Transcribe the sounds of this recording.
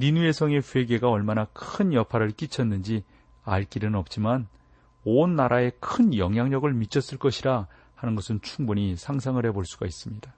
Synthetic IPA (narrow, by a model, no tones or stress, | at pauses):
ninue̞sʰʌŋe̞ɸwe̞ɡe̞ɡaʌɭmanakʰɯnjʌpʰaɾɯɭk͈it͡ɕʰʌnːɯnd͡ʑi | aɭk͈iɾɯnʌp̚t͡ɕ͈iman | onːaɾʔae̞kʰɯnjʌŋɦjaŋɲʌɡɯɭmit͡ɕʰʌs͈ɯɭk͈ʌɕʰiɾa | hanɯnɡʌsʰɯnt͡ɕʰuŋbuɲisʰaŋsʰaŋɯɭhe̞boɭs͈uɡais͈ɯmɲida